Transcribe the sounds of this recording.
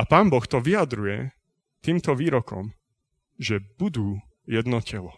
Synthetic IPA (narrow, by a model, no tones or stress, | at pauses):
apaːnbɔxt̪ɔʋiad̪ɾujɛ | t̪iːmt̪ɔʋiːɾɔkɔ̰m | ʒɛbud̪uː | jɛd̪nɔcɛlɔ